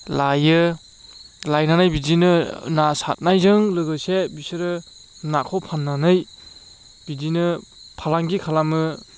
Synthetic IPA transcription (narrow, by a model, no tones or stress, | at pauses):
lajɯ | lajnanajbidinɯnasa̰t̚najzɯŋlɯɡɯsebisɯɾɯ | nakʰɔpʰanːanɯj | bidinɯpʰalaŋɡikʰalamɯ